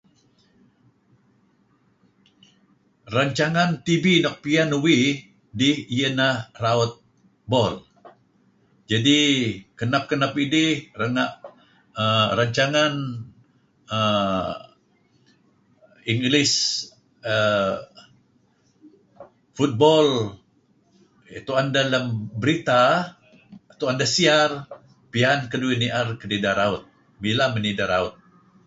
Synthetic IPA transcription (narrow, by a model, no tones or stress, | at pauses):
raɲt͡ʃaŋant̪ibinɔk̚pianuwi | dɪhijənahraɔt̪̚ | bɔl | d͡ʒadikənap̚kənapidɪhrəŋaʔ | əraɲt͡ʃaŋan | ə | iŋɡlɪs | ə | fut̪̚bɔl | it̪uandaləmbəɾit̪a | t̪uandasiar | piankəduiniʔarkənidaɾaʊt̪̚ | bilamənidaɾaʊt̪̚